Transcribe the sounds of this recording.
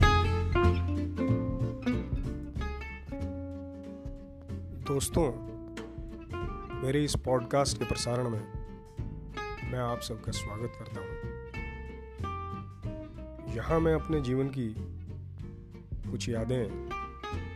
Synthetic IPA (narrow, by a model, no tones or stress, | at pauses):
d̪oːst̪õ | meːɾeɪspɔːɖkaːsʈkepɾɐsaːɾəɽ̃mẽ | mɛ̃aːpsɐb̚kaswaːɡət̪kɐɾt̪aɦũː | jɐhãmɛ̃ɐpned͡ʒiːʋənk̬i | kʊt͡ʃʰjaːd̪eɦɛ̃ː